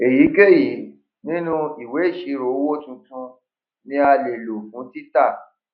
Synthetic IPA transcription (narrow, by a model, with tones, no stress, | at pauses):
e˨ji˨˦ke˦˨ji˨˦ | nĩ˦nũ˦i˨we˨˦i˦˨ʃi˨˧˦ɾo˨˦wo˦tũ˧tũ˧ | nĩ˧˦a˧le˨lo˨fũ˨˦ti˦ta˦˨